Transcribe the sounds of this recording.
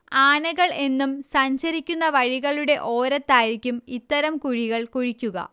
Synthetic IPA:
aːnɐɣɐɭe̞nːumsɐɲɕɐɾikʲːunːɐʋɐɻiɣɐɭuɽe̞ʔo̞ːɾɐt̪ːaːjiɾikʲːumit̪ːɐɾɐmkuɻiɣɐɭkuɻikʲːuɣɐ̰

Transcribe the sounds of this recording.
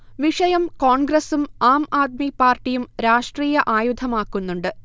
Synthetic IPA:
ʋiʂɐjɐmkoːɳɡrɐsumaːmaːd̪̚mipaːrʈːijumɾaːʂʈriːjɐʔaːjud̪ʱʰɐmaːkːunːuɳɖɨ

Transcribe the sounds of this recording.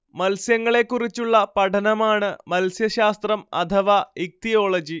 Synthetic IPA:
mɐlsjɐŋːɐɭe̞kːurit͡ɕːuɭːɐpɐʈʰɐnɐmaːɳɨmɐlsjɐɕaːst̪rɐmɐ̰t̪ʰɐʋaːik̚t̪ijoːɭɐd͡ʑi

